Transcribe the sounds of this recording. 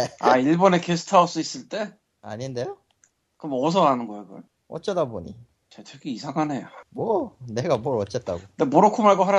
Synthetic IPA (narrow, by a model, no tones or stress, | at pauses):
a̰iɭbʌne̞kesʰɯ̥tʰaos͈uis͈ɯɭt͈e̞ | a̰ɲinde̞jo | kɯmʌs̬ʰʌɡanɯnɡʌiɡʌ̰ɭ | ʌt͡ɕ͈ʌdaboɲḭ | t͡ɕetʰekʰiisʰaɡanɦejamwʌne̞ɡamwʌɾʌt͡ɕ͈ʌt̚t͈a̰ɡondemoɾokʰumɦaɭɡoɦaɾja